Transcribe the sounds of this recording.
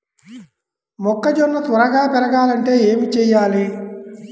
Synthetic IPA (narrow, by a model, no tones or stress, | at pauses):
mɔkːɐd͡ʒɔnːɐt̪ɔɾɐɡaːpɛɾɐɡaːlɐɳʈe̞ːeːmit͡ʃɛːjːaːli